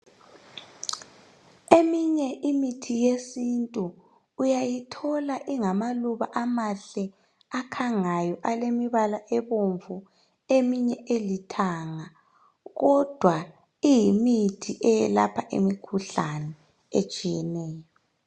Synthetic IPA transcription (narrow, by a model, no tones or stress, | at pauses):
emiɲɛʔimitʰijesintʼuː | jajitʰɔlaʔiŋamaluβaʔamaɬɛ | akʰaŋajɔʔalemiβalaʔɛβoɱvu | emiɲɛʔelitʰaŋa | ɣɔd̥ʱwa | ijimitʰiʔɛjɛlapʰaʔḛmikʰuɬanɛ | et͡ʃʼijɛnɛːjɔ